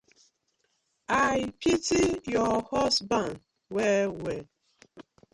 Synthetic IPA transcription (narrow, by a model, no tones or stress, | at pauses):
ajpʰitijɔhɔsbãnd | wɛwɛ